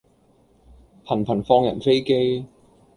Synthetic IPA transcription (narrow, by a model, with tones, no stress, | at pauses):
pʰɐ˨˩npʰɐ˨˩nfɔː˧ŋjɐ̰˨˩nfe˥jke˥j